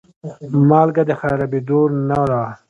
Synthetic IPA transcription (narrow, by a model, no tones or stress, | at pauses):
mɑːlɡad̪əxajɾabid̪oɾnawɾaː